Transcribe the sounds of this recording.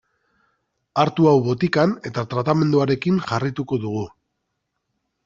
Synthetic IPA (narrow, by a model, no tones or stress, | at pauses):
aɾt̪uawβo̞t̪ikane̞t̪at̪ɾat̪ame̞nd̪uaɾe̞kiŋʝarit̪uko̞ðuɣ̞u